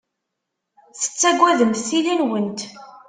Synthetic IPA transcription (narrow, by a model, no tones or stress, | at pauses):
θə̥t͡sːæɡʷːæðəmθθilænwənt̪